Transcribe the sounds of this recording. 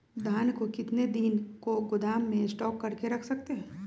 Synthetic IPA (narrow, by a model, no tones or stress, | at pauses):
d̪ʱaːnkokɪt̪ned̪ɪnkoɡʊd̪aːmːẽɪsʈɔːkːɐɾkeɾɐkʰsɐk̚t̪eɦɛ̃ː